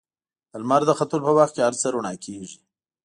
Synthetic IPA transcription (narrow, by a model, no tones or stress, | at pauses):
əlmaɾd̪əxat̪ulpəwaxt̪̚kʲehaɾt͡səɾuɳɑkʰeʒi